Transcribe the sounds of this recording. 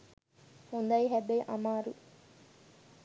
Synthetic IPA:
hund̪ɐjiɦɛbeʔɐmaːɾu

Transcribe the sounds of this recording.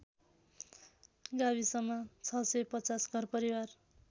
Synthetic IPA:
ɡaβisʌmːʌt͡sʰʌsʌpʌt͡sasɡʱʌrpʌɾiwar

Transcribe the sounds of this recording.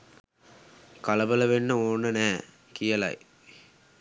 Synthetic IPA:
kaləbələʋenːəoːnːənæː | kijəlɐ̰j

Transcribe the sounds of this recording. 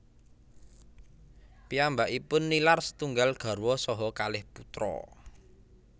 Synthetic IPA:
piambaʔipʊnːilarsə̥t̪uŋɡalɡ̥a̤rwɔsɔɦɔkalɪhput̪ɾɔ̰

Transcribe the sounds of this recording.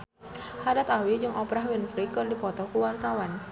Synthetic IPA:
hadat̪awid͡ʒɨŋʔɔpɾaɦwɪnfɾikɨrdipɔt̪ɔkuwart̪awan

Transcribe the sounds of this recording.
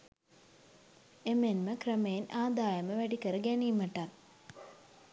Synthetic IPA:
emenməkrəmejenaːd̪aːjəməʋæɖikəɾəɡæniːməʈan

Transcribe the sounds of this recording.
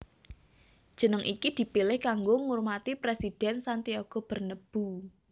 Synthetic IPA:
d̥ʒ̥ə̤nəŋʔikid̪̥i̤pilɪhkaŋɡoŋurmat̪ipɾesid̪̥ɛnsant̪ioɡ̥o̤b̥ə̤rnəb̥u

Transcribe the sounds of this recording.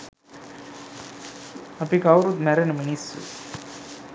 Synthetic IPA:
ɐpikɐʋɾut̪mɛɾɐnəminisṵ

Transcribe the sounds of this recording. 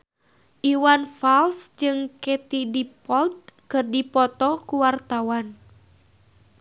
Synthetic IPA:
ʔiwanfalsd͡ʒɨŋkɛt̪idipɔlt̪̚kɨrdipɔt̪ɔkuwart̪awan

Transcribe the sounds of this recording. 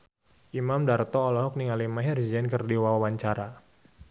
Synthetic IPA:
ʔimamdart̪ɔːlɔɦɔk̚niŋalimaɦird͡ʒɛnkərdiwawawaɲt͡ʃaɾa

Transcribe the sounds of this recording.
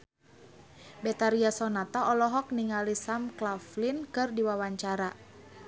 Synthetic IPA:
bɛt̪aɾiasɔnat̪aʔɔlɔɦɔk̚niŋalisamklaflinkɨrdiwawaɲt͡ʃaɾa

